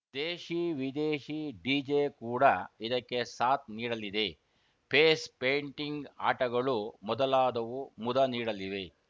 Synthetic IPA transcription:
d̪eːʃiʋid̪eːʃiɖiːd͡ʒeːkuːɽɐid̪ɐkːe̞saːt̪̚niːɽɐlid̪e̞ | pʰeːspeːɳʈiŋɡa̰ːʈɐɡɐɭumɔd̪ɐlaːd̪ɐʋumud̪ɐniːɽɐliʋe̞

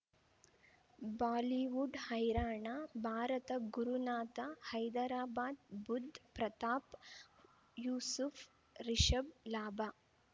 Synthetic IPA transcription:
baːliʋuɖhɐjɾaːɳaːbʱaːɾɐt̪ɐɡuɾunaːt̪ɐhɐjd̪ɐɾaːbaːd̪bud̪ʱːpɾɐt̪aːp | juːsuf | ɾiʃɐblaːbaː

